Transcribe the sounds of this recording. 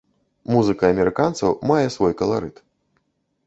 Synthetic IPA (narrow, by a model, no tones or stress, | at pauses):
muzɨkɐɐmʲɛɾɨkant̪sɐwmajɛsvɔjkɐlˠa̰ɾɨt̪